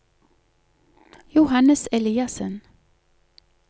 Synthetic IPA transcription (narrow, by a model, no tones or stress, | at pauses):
jʊhɑnəsɛliːɑsən